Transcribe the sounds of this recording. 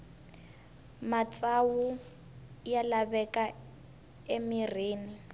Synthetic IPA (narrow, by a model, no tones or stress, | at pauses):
mat͡sʼawu | jalaβɛka | emireːni